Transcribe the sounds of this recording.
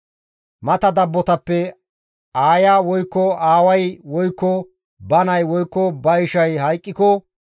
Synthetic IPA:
mɐt̪ɐd̪ɐbːɔt̪ɐpːɛ | aːjaːwɔjkːɔaːwɐjwɔjkːɔ | bɐnɐjwɔjkːɔbɐjʃɐjɦɐjkʼːɪkɔ

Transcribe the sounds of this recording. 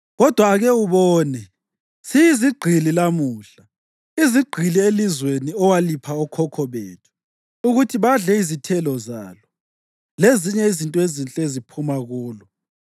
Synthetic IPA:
ɣɔd̥ʱwaːɣɛuβɔːnɛ | sijiziɡ͡ǃʱililamuːɬa | iziɡ͡ǃʱilielizweniɔwalipʰaɔkʰɔkʰɔβḛtʰu̥ | uɣutʰiβaɮɛizitʰɛlɔza̰lɔ | leziɲɛizintʼɔezint͡ɬʼezipʰumaɣuːlɔ

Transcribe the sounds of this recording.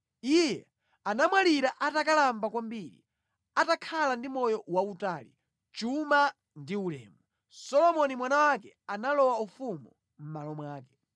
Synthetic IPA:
ijɛ | anamwaliɾaʔatakalambakwambiɾḭ | atakʰalandimɔjɔwautaːlḭ | t͡ʃuma | ndiulɛ̰ːmu | sɔlɔmɔnimwanawakɛ | analɔwaufumu | m̩malɔmwaːkɛ̥

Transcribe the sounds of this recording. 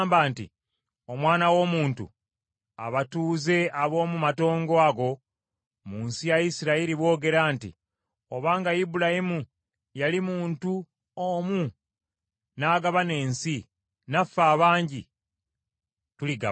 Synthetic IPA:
mbaːntḭ | o̞mwaːnawo̞ːmuːntṵ | a̰βatuːze̞aβo̞ːmumato̞ːŋɡo̞aɡo̞ | muːnsijajisiɾaiɾiβwo̞ːɡe̞ɾaːntḭ | o̞βaːŋɡajibulahimu | jalimuːntu | omu | naːɡaβane̞ːnsi | nafːaːβaːɲɟi | tuliɡa̰

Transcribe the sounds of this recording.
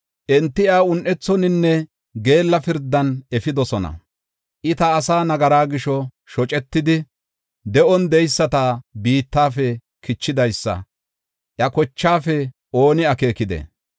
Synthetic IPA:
ʔɛnt̪ːɪjaːʊnʔɛt͡sːɔnɪnːɛ | ɡe̞ːlːɐfɪɾd̪ːɐnɛfɪd̪ɔsɔnɐ̰ | ʔɪt̪ɐːsaːnɐɡɐɾaːɡɪʃɔ | ʃɔt͡ʃʼɛt̪ːɪd̪ɪ | d̪ɛʔɔnd̪ɛjsːɐt̪aːbiːt̪ːaːfɛ | kɪt͡ʃːɪd̪ɐjsːɐ̰ | ʔjɐkɔt͡ʃːaːfɛ | ʔo̞ːnɪɐke̞ːkɪd̪ɛ̰

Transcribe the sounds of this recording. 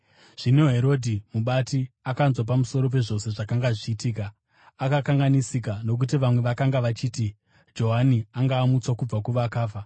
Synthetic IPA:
ʐ̥inoɦe̞ɾo̞dʱimuɓatiakanzwap̬amuso̞ɾo̞p̬e̞ʐo̞se̞ʐakaŋɡaʐiːtiːkaː | kakaŋɡanisik̬ano̞k̬ut̬iʋamwe̞ʋakaŋɡaʋat͡ʃiːti | d͡ʒo̞ɦaniaŋɡaːmut͡swakub͡vakuʋakaːfa

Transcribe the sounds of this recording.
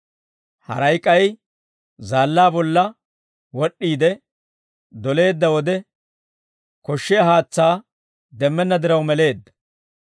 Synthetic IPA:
hɐ̰ɾɐjkʼːɐj | zaːlːaːbɔlːɐ | wɔɗːiːd̪ɛ | d̪ɔle̞ːd̪ːɐwɔd̪ɛ | kɔʃːɛjɐɦaːt͡sːaː | d̪ɛmːɛnːɐd̪ɪɾɐwmɛle̞ːd̪ːɐ̥

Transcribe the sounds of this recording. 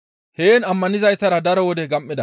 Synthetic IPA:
heːnɐmːɐnɪzɐjt̪ɐɾɐd̪ɐɾɔwɔd̪ɛɡɐmːɪd̪ɐ

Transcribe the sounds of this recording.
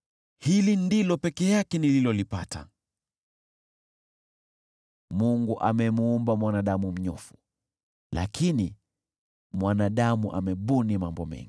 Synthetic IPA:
hilindilɔpɛkɛjakɛnililɔlipata̰ | muŋɡuʔa̰mɛmuːmbamwanaɗamum̩ɲɔ̰fu̥ | la̰kʰini | mwanaɗamuʔa̰mɛɓunimambɔ̰mɛ̰ŋɡi

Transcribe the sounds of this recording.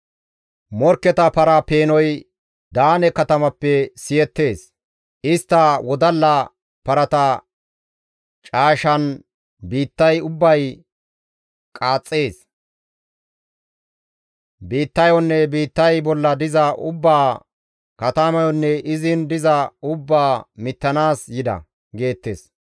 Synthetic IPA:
mɔɾkːɛt̪ɐpɐɾɐpe̞ːnɔj | d̪aːnɛkɐt̪ɐmɐpːɛsɪjɛt̪ːe̞ːs | ʔɪst̪ːɐwɔd̪ɐlːɐ | pɐɾɐt̪ɐ | t͡ʃʼaːʃɐn | biːt̪ːɐjʊbːɐj | kʼaːt͡sʼːe̞ːs | biːt̪ːɐjɔnːɛbiːt̪ːɐjbɔlːɐd̪ɪzɐʔʊbːaː | kɐt̪ɐmɐjɔnːɛʔɪzɪnd̪ɪzɐʊbːaːmɪt̪ːɐnaːsjɪd̪ɐ̰ | ɡe̞ːt̪ːeːs

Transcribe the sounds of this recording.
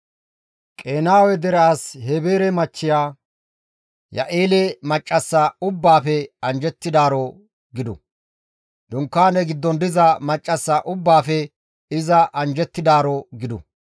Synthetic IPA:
kʼe̞ːnaːwɛd̪ɛɾɛashɛbeːɾɛmɐt͡ʃːɪjaː | jɐ̰ʔeːlɛmɐt͡ʃʼːɐsːaʊbːaːfɛɐnd͡ʒɛt̪ːɪd̪aːɾɔ | ɡɪd̪ʊ̰ | d̪ʊŋkːaːnɛɡɪd̪ːɔnd̪ɪzɐmɐt͡ʃʼːɐsːaʔʊbːaːfɛ | ɪzɐʔɐnd͡ʒɛt̪ːɪd̪aːɾɔɡɪd̪ʊ̰

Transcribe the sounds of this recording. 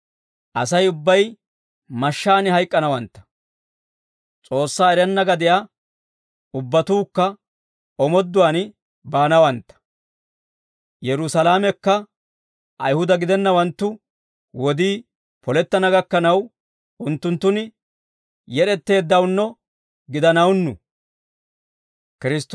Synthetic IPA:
ʔɐsɐjʊbːɐj | mɐʃːaːnɪhɐjkʼːɐnɐwɐnt̪ːɐ̥ | t͡sʼo̞ːsːaːɛɾɛnːɐɡɐd̪ɪja | ʊbːɐt̪uːkːɐ | ɔmɔd̪ːʊwaːn | baːnɐwɐnt̪ːɐ̥ | jɛɾʊsɐlaːmɛkːɐ | ʔɐ̰jhʊd̪ɐɡɪd̪ɛnːɐwɐnt̪ːʊ | wɔd̪iː | pɔlɛt̪ːɐnɐɡɐkːɐnɐw | ʊnt̪ːʊnt̪ːʊnɪ | jɛɾɛt̪ːe̞ːd̪ːɐwnːɔ | ɡɪd̪ɐnɐwnːʊ̰ | kɪɾɪst̪

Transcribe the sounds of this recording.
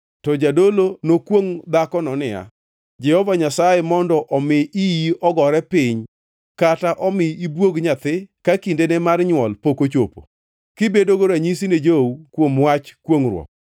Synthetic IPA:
tɔd͡ʒadolonokwoŋd̪akɔnɔnɪja̰ | d͡ʒɛhɔvaɲasajemɔndɔʔɔmɪijiɔɡɔɾɛpɪɲ | kataʔɔmɪibwoɡɲat̪ɪkakindenɛmarɲwɔlpokot͡ʃopo̰ | kɪbedoɡoɾaɲisined͡ʒoukwomwat͡ʃkwoŋrwɔ̰k̚

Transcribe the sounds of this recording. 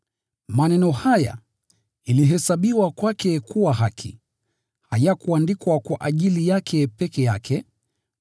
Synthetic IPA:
manɛnɔhaja̰ | iliɦɛsaɓiwakwakɛkuwaɦakʰḭ | hajakuandikwakwaʔaʄilijakʰɛpɛkɛjakʰɛ

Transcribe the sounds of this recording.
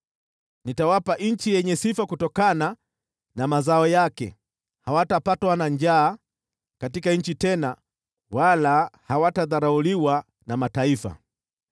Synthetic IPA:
nitawapaʔɲ̩t͡ʃijɛɲɛsifakutɔkana | namazaɔjakɛ̰ | hawatapatwanaɲd͡ʒaː | katikaɲ̩t͡ʃitɛna | walahawataðaɾauliwa | namataifa̰

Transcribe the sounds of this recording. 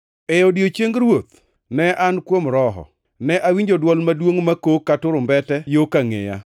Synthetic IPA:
ɛjɔdjot͡ʃeŋɡɾwot̪̚ | nɛʔankwomɾɔɦɔ̰ | nɛʔawiɲd͡ʒodwɔlmadwoŋmakokːatʊɾʊmbɛtɛjokaŋɪ̰ja̰

